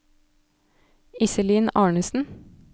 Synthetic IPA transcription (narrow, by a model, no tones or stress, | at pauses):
ɪsəliːnɑːɳəsn̩